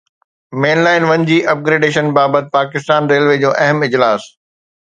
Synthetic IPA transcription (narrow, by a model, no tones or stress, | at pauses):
meːnlaːɪnʋɐ̃ɲd͡ʑiːʔɐp̚ɡɾeːɖeːʃənbaːbət̪̚ɪpaːkɪst̪aːnɾeːlʋeːd͡ʑõːʔɐɦəmɪd͡ʑlaːs